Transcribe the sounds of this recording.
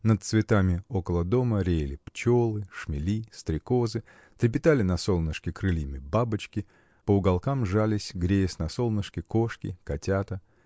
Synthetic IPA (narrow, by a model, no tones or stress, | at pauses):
nət̪̚t̪svʲɪt̪amʲɪo̞kəlˠəd̪o̞məɾʲejlʲɪpt͡ɕo̞lˠɨʂmʲɪlʲist̪ɾʲɪko̞zɨ | t̪ɾʲɪp̬ʲɪt̪alʲɪnɐsolˠnəʂkʲɪkɾɨlʲimʲɪbabɨt͡ɕkʲɪ | pəʊɡalˠkamʐalʲɪsʲɡɾʲejɪsnɐso̞lˠnəʂkʲɪko̞ʂkʲɪ̰kɐtʲat̪ə